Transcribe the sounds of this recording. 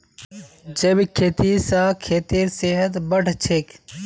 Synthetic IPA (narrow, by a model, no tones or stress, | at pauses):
d͡ʒəbkʰeːt̪iːsaːkʰeːt̪iːɾseɦət̪bəʈt͡ʃʰek